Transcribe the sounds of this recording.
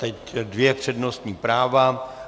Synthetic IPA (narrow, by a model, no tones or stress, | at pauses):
t̪ɛcdvjɛpr̝̥ɛdnost̪ɲiːpɾaːva